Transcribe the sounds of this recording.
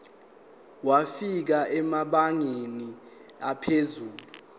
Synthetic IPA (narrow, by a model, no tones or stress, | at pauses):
wafik̬aɛmaɓaŋeni | apʰezuːlu